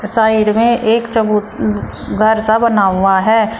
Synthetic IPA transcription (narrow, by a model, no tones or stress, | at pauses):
saːɪɖmẽʔeːkt͡ʃɐbuːt̪ | ɡʱɐɾsabɐnaːuaɦɛː